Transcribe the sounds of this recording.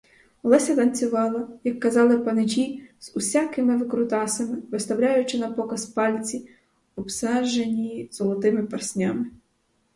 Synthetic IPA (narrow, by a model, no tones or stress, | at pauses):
lˠɛsʲɐt̪ɐnʲt͡sʲʊʋɑlˠɐjɐkːɐzɑlˠɪpɐnɪd͡ʒʲiz̥ʊsʲakɪmɪʋɪkɾʊt̪ɑsɐmɪʋɪst̪ɐwlʲajʊt͡ʃɪnɐpɔkɐspɑlʲt͡sʲi | ɔpsɛʒenʲijz̥ɔlˠɔt̪ɪmɪpɐrsʲnʲamɪ